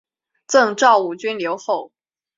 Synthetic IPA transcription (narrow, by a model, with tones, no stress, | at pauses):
t͡sɤ˥˧ŋʈ͡ʂɑ˥˧ʊu˥˩t͡ɕy˥nljo˧˥ʊxo˥˩ʊ